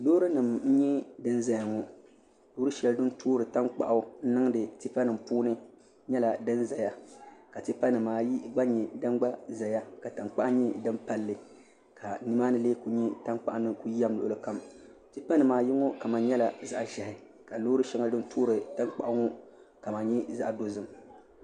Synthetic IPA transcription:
loː˦ɾɨ˦nɨ˨m̩˦ɲɛ˦dɨ˦nza˦ja˨ŋɔ˨ | lo˦ɾɨ˦ʃɛ˨ldɨ˦n˦tʰuː˦ɾɨ˨ta˦ŋk͡pa̰˨ʔa˨n̩˦nɨ˦ŋ˦dɨ˨ti˦pa˦nɨ˨mpuː˦nɨ˦ | ɲɛ˦la˨dɨ˦nza˨ja˦ka˨ti˦pa˦nɨ˨maː˨ji˦ɡ͡ba˦ɲɛ˨dɨ˦ŋɡ͡ba˦za˨ja˦ka˨ta˨ŋk͡pa̰˦ʔa˦ɲɛ˦dɨ˦mpa˦lːɨ˨ | ka˨nɨ˦maː˦nɨ˦leː˦ku˦ɲi˦ta˦ŋk͡pa˨ʔnɨ˦ku˦a˦mlo̰˨ʔʊ˨lɨ˦ka˦m | tɨ˦pa˦nɨ˨maː˨ji˦ŋɔ˦ka˨ma˨nɲɛ˦la˨za˨ʔʒɛ˨hɪ˨ | ka˨lo˦ɾɨ˦ʃɛ˦ŋa˦ldɨ˦n̩˦tʰuː˦ɾɨ˨ta˦ŋk͡pa˨ʔa˦ŋɔ˦ | ka˨ma˨nɲi˦za˦ʔdo˦zɨ˨m

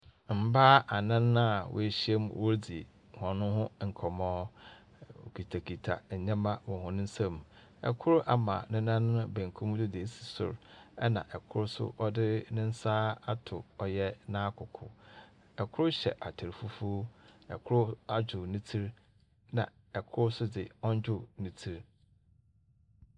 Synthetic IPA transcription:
m̩˨baː˦ʔa˨nã˦nːã˦wʔʊ̰˨e˨ɕi˦e˦mwʔo˦ɾdi˨ | hɔ̃˨nʊ̃˦hʊ̃˦ŋ̩˨kʰɔ˨mɔ̃ː˦ | o̰˨kʰi˨tʰa˨kʰi˨tʰa̰˨ɲã˦mã˦wɔ̃˨hʊ̃˨nʊ̃˦n̩˦sã˦m˨ | ɛ̰˨kʰʊ˦ɾʊ˦ʔa˦mã̰˨nɪ̃˦nã˦n˦ʊ̃˦bẽ˨ŋ˨kʰũ˦m˦dʊ˦dɪ˨e˦si̥˨sʊ̰˨ɾɛ̰˦nã̰˨ʔɛ˨kʰʊ˦ɾʊ˦sʊ̰˦ʔɔ˦dɪ˦nʊ̃˦n̩˦saː˦a˦tʰʊ˨ɔ˨jɛ˦nãː˦kʰʊ˨kʰʊ̰˨ | ɛ˨kʰʊ˦ɾʊ˦ɕɛ̰˨ʔa˨tʰɪ˨ɾfu˦fu˦ɛ̰˨kʰʊ˦ɾʊ˦a˦d͡ʑᶣʊ˨nĩ˦tʰi˦ɾ | nã̰˨ | ɛ˨kʰʊ˦ɾʊ˦sʊ˦dɪ˨ɔ̃˦ɲ˦d͡ʑᶣʊ˦nĩ˦tʰi˦ɾ

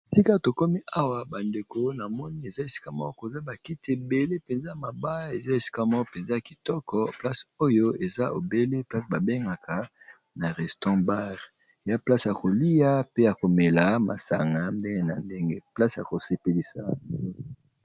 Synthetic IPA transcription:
si˦ka˦to˨ko˦mi˦a˦wa˨ba˨nde˨ko˨na˨mɔ˦ni˦e˨za˦e˨si̥˦ka˦mɔ˦ko˨za˦ba˨ki˦tʰe˨be˦le˦pe˨nza˦a˨ma˨ba˦e˨za˦e˨si̥˦ka˦mɔ˦ɔ˦pe˨nza˦a˨ki˨tɔ˦kɔ˦pla˦so˦jo˦e˨za˦ʔo˨be˦le˦pla˦sba˨be˦ŋɡa˨kʰa˨ | na˨ʁɛ˨stɑ̃˦ba˦ʁ | ja˦pla˦sja˨ko˨li˦ja˦pe˦ja˨ko˨me˨la˦ma˨sa̰˨ŋɡa˨nde˦ŋɡe˦na˨nde˦ŋɡe˦pla˦sja̰˨ko˨se˨pe˨li˨sa̰˨o˦

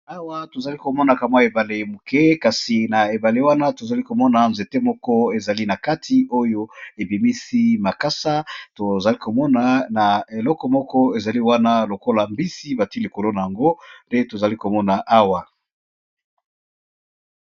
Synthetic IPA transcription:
a˦wa˦to˨za˨li˦ko˨mɔ˦na˨ka˨m˦a˦e˨ba˨le˨mu˨kɛ˦ka˨si˨na˨e˨ba˨le˦wa˦na˦to˨za˨li˦ko˨mɔ˦na˨nze˨te˦mɔ˦kɔ˦e˨za˨li˦na˨ka˦tʰi˨o˦jo˦e˨bi˨mi˦si˦ma˨ka˦sa˦to˨za˨li˦ko˨mɔ˦na˨na˨e˨lɔ˦kɔ˨mɔ˦kɔ˦e˨za˨li˦wa˦na˦lo˨ko˦la˨mbi˦si˦ba˨ti˦li˨ko˨lo˦na˨a˨ŋɡo˦nde˦to˨za˨li˦ko˨mɔ˦na˨ʔa˦wa˨

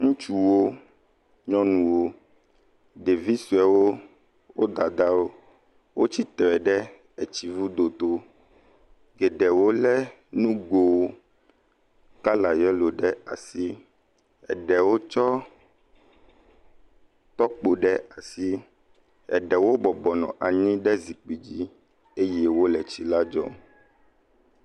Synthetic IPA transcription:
ŋũ˦t͡ʃu˨wo˦ | ɲɔ̃˦nũ˨wo˦ | ɖe˨vi˦su˨ɛ˨wo˦ | wo˦d̪a˨d̪a˦wo˦ | wo˦t͡ɕi˦t̪ɾɛ˨ɖɛ˦ | ɛ˨t͡ɕi˨vu˦d̪o˨t̪o˦ | ɡɛ˨ɖɛ˨wo˦lɛ˦ | nũ˦ɡo˨wo˦ | ka˦la˨jɛ˦lo˨ɖɛ˦a̰˨si˦ | ɛ̰˨ɖɛ˨wo˦t͡ʃɔ˦ | t̪ɔ˦k͡po˨ɖɛ˦a˨si˦ | ɛ̰˨ɖɛ˨wo˦bɔ˨bɔ˨nɔ̰̃˨ʔa˨ɲĩ˦ɖɛ˦zi˨k͡pi˨d͡ʑi˦ | e˦jɛ˦wo˦lɛ˨t͡ɕi˨la˦d͡ʒɔ̰˦m

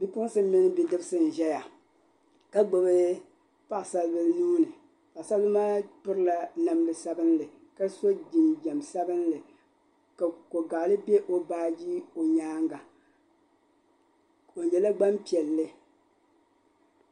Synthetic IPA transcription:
bi˦pʊ˦ŋ˦sɨ˦mɪ˦nɨ˦bi˦dɨ˦bɨ˦sɨ˨n̩˨ʒɛ˦ja˨ | ka˦ɡ͡bo˨bɨ˦ | pa˦ʔsa˦lbɨ˦lnuː˦nɨ˨ | pa˨sa˦lbɨ˦maː˦pʊ˦ɾɨ˦la˨na˨mlɨ˨sa˦bɨ˦nlɨ˨ | ka˦so˦d͡ʒi˨nd͡ʒɛ˨msa˦bɨ˦nlɨ˨ | ka˨ko˨ɡa˨lɨ˦bɛ˦ʔo˨baː˦ji˦o˨ɲaː˦ŋɡa˨ | o˨ɲɛ˨la˦ɡ͡ba˦mpi˨ɛ˨lːɨ˦

